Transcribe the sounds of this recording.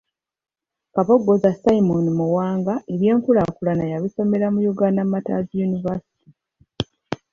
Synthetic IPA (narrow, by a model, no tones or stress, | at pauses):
kaβoɡːo̞zasaimunimuwaːŋɡaʔeβje̞ːŋkulakulanajaβiso̞me̞ɾamujuɡaːndamata̰zijunivasi̥ti